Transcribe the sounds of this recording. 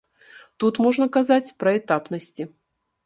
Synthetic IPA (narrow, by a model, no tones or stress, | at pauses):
t̪ut̪moʐnəkazat͡sʲpɾɐɛt̪apnəsʲtʲi